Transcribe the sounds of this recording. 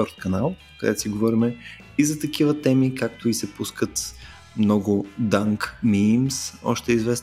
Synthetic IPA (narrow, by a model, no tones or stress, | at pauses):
ɔɾt̪̚kɐnalˠ | kəd̪ɛ̰t̪o̥siɡovɔɾimɛ | izɐt̪ɐk̟ivət̪ɛmikak̚t̪ʊisɛpuskət̪ | mnɔɡʊd̪aŋkmimsɔ̰ʃt̪ɛizvɛs